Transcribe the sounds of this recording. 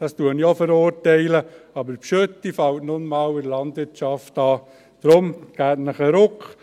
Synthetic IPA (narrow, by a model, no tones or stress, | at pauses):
d̥ɑstuəniofəɾʊɾtɛɪləɑbəɾpʃøt̪ːifɑwtnʊnmɑːwɪɾlɑndʋɪɾtt͡ʃɑftɑː | d̥ɾʊmɡ̥æːtnəχəɾʊkχ